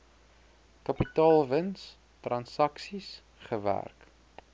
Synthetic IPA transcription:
kɐpitɑːlˠvəns | trɐnsɐksis | χəvæ̰rk

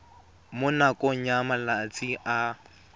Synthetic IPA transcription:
mʊnakʼɔɲamalat͡sʼiʔa

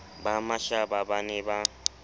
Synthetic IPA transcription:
bamaʃababanɛba

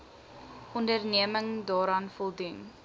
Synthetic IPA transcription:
ʔɔndərniəməŋdɑːɾɑːnfɔlˠdun

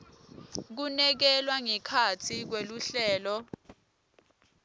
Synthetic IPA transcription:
k̬unɛk̬ɛlwaŋɛkʰat͡sʰik̬weluɬɛːlɔ

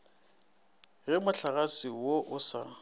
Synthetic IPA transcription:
ɣɛmʊɬaɣasɪwoʔʊsa̰

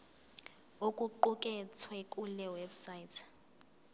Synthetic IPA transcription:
okʼuǃukʼɛt͡sʰwɛkʼulɛwebsaitʰɛ̥

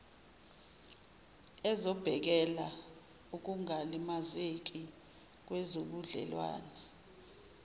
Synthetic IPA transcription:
ɛzɔb̥ʱɛk̬ɛla | uk̬uŋalimazek̬ʼi | k̬wɛzoɓuɮɛ̰lwa̰ːnɛ

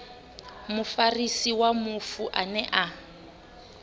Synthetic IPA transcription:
mʊfarisiwamʊfuʔanɛʔa

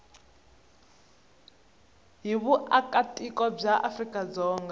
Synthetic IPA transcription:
ɦiβuakʼatʼikʼɔb͡ʐaʔafrikʼad͡zɔːŋɡa

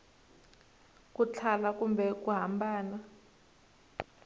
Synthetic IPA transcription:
kut͡ɬʰalak̬ʼumbʱɛk̬ʼuɦambʱaːna

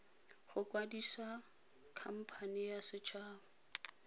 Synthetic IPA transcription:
χʊkʼwadisa | kʰam̩pʰanɪjasɪt͡ʃʰaːʊ

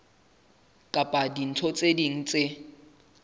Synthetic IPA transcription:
kʼapʼadin̩tʰɔt͡sʼediŋ̩t͡sʼe

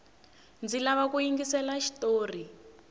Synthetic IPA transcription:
nd͡zilaβakujiŋɡisɛlaʃi̥toːri

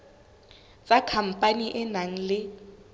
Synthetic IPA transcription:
t͡sakʰam̩pʼaniʔɛnaŋ̩lɪ

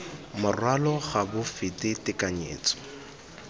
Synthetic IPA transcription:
mʊrwalɔχabʊfɪtɪtɪkʼaɲḛːt͡sɔ̥

